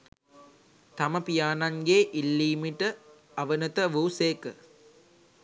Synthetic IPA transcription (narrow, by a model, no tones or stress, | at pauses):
t̪ɐmɐpijaːnɐŋɡeːʔilːiːmiʈɐ | ɐʋɐnɐt̪ɐʋuːseːkə